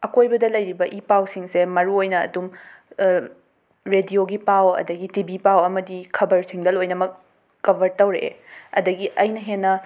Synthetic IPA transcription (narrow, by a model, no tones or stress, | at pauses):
ɐkojbɐdɐlɐjɾibɐʔipawsiŋsemɐɾuojnɐ̰ːdum | ɾedioɡipawɐ̰dɐɡitibipawɐmɐdikʰɐbɐɾsiŋdɐlojnɐmɐk̚ | kɐbʱɐɾtɐwɾḛɐ̰dɐɡiʔɐjnɐɦenːɐ